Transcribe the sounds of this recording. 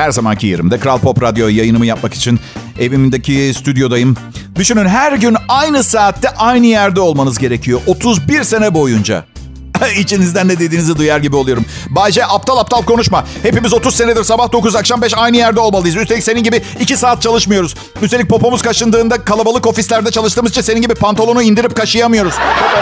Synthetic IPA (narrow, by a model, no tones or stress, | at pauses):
hæɾzamancʰijḛɾḭmd̪ɛkɾalʲˠpʰo̞pɾad̪jo̞jajɯnɯmɯjap̚maki̥t͡ʃʰin | e̞vimind̪ecʰist̪ʰyd̪jo̞d̪ajɯm | d̪yʃynynɦæɾɟynajnɯsaːt̪ʰːɛʔajnɯjæɾd̪ɛo̞lˠmanɯzɟe̞ɾe̞cʰijo̞ʔo̞t̪ʰuzbiɾse̞nɛbo̞jund͡ʒa̰ | it͡ʃʰinizd̪ænd̪ɛd̪e̞d̪iːnizɛd̪ujaɾɟibio̞lˠujo̞ɾum | baːd͡ʒɛʔap̚t̪ʰalˠap̚t̪ʰalˠpkʰo̞nuʃmahe̞pimizo̞t̪ʰuzseɛd̪iɾsabahd̪o̞kuzakʃambɛʃajnɯjæɾd̪ɛo̞lˠmalˠɯjzyst̪elʲicseninʲɟibiːcisaːt̪̚t͡ʃʰalˠɯʃmɯjo̞ɾuz | yst̪e̞lʲic̚pʰo̞po̞muz̥kʰaʃɯnd̪ɯːnd̪akʰalˠabalˠɯko̞fislʲæɾd̪ɛt͡ʃʰalˠɯʃt̪ɯːmɯzt͡ʃʰinse̞ninʲɟibipʰant̪ʰalˠo̞nuind̪iɾip̚kʰaʃɯjamɯjo̞ɾuz̥